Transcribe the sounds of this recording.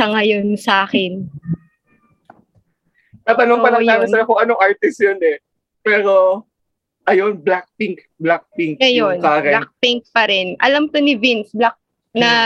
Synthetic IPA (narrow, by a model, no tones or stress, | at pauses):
ɐŋɐjonsɐʔaːkɛn | ɐt̪ɐnopɐlɐŋnaːnɐɐjɐkʊŋʔɐnoŋʔaɹt̪ɪst̪jonɛ | pɛːɾo | ʔɐjonblak̚piŋk | blak̚piŋkɐjonaːkɛlak̚piŋk̚pɐɾɛnʔɐ̰lɐmt̪onɪvinsblak̚ | nɐ